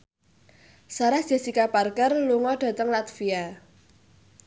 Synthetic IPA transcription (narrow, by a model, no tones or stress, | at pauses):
saɾad̥ʒ̥asikaparkərluŋɔdɖ̥a̤t̪əŋlat̪fia